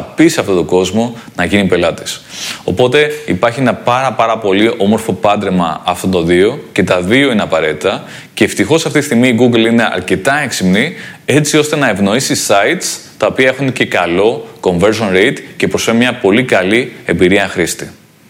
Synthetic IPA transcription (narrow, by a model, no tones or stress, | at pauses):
ɐpisɐft̪o̞t̪o̞ɡo̞zmo̞ | nɐʝinipe̞lɐt̪i̥so̞̰po̞t̪e̞ipɐɾçie̞nɐpɐɾɐpɐɾɐpo̞liʔo̞mo̞ɾfo̞pɐnd̪ɾemɐ̰ɐft̪ot̪o̞ðio̞ce̞t̪ɐðio̞ineɐpɐɾe̞t̪it̪ɐ | ce̞ːft̪ixo̞sɐft̪it̪isθt̪iɣmiːɡuɡline̞ʔɐ̰ɾce̞t̪ɐeksimnie̞t͡sio̞st̪e̞nɐe̞vno̞isisɐit̪st̪ɐo̞piɐexunce̞kɐlo̞ko̞ɱve̞ɾʒo̞nɾejt̪ce̞pɾo̞sfemmɲɐpo̞likɐlie̞mbiɾiɐxɾist̪i